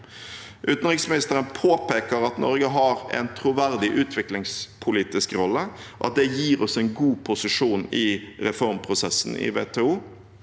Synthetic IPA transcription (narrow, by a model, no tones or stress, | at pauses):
ʔʉt̪n̩ɾɪksmɪnɪst̪əɾənpʰoːpeːkəɾɑt̪nɔ̰ɾɡəɦɑɾɛ̰nt̪ʰɾʊʋæɾd̪ɪʔʉːt̪ʰʋɪklɪŋspʰʊliːt̪ɪskɾɔlːəɔʔɑ̰t̪̚d̪ɛjiːɾɔsɛɪnɡuːpʰʊsɪʂuːnɪɾɛfɔɾmpʰɾʊsɛsːn̩ɪ̰ʋḛːt̪ʰɛːuː